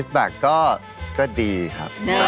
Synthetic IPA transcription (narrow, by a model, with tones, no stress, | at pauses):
s̚bɛː˨˩kːɔː˥˩ | kɔː˥˩diː˧kʰa̰˦˥p̚